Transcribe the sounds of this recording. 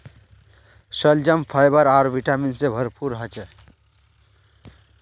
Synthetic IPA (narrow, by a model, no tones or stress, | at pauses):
sʌld͡ʒʌmpʰajbʌɾaɾbʱiʈaminsebʱʌɾpʰuɾɦʌt͡ʃə